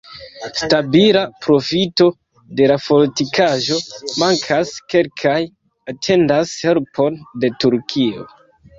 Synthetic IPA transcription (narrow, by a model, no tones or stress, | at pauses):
stabilapɾo̞fito̞ | de̞lafo̞ltikaʒo̞maŋkʰaske̞lkʰaj | atʰe̞ndashe̞lpʰo̞nde̞tuɾkʰio̞̰